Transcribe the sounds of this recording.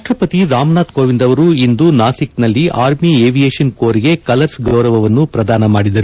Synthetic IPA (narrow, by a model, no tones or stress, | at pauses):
ʂʈ̪ɾɐpɐt̪iɾaːmnaːt̪koːʋind̪ɐʋɐɾuind̪unaːsik̚t̪nɐlːiʔaːɾmieːʋijeːʃɐnkoːɾiɡe̞kɐlɐɾsɡɾoːɾɐʋɐʋɐnːupɾɐd̪aːnɐmaːɽid̪ɐɾu